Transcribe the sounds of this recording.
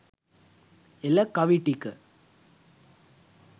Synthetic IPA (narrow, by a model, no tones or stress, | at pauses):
ɛlːɐkɐʋiʈːikːɯ